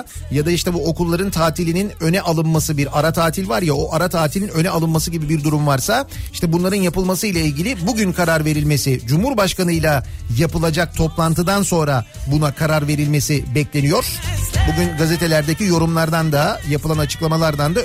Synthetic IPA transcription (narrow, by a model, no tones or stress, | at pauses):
jad̪aiʃt̪ʰɛbuo̞kʰulˠːaɾɯnt̪ʰaːt̪ʰilʲininø̞nɛʔalˠɯnmasɯbiɾaɾat̪ʰaːt̪ʰilʲvaɾjao̞ʔaɾat̪ʰaːt̪ʰilʲinø̞nɛalˠɯnmasɯɟibibiɾd̪uɾumvaɾsaiʃt̪ʰɛbunlˠaɾɯnjapɯlˠmasɯjlʲˠailʲɟʲilʲibuɟynkʰaɾaɾve̞ɾilʲme̞sid͡ʒumhuɾbaʃkanɯjlʲˠajapɯlˠad͡ʒak̚t̪ʰo̞plˠant̪ɯd̪anso̞nɾa | bunakʰaɾaɾve̞ɾilʲme̞sibɛclʲe̞nijo̞ɾ̥buɟynɡazet̪ʰe̞lʲæɾd̪ecijo̞ɾumlˠaɾd̪and̪ajapɯlˠanat͡ʃʰɯklˠamalˠaɾd̪and̪a